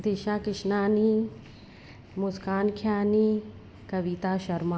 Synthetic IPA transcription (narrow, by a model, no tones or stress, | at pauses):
d̪iʃaːkɪʃnaːni | mʊskaːnkʰjaːniː | kɐʋit̪aːʃɐɾma